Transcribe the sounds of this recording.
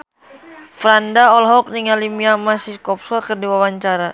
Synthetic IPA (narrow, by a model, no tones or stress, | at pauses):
fɾandaɔlɦɔk̚niŋalimiamasikɔp̚skakərdiwawaɲt͡ʃaɾa